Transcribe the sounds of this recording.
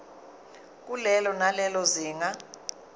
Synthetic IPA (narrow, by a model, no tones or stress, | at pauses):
k̬ʼulɛlɔnalɛlɔziːŋa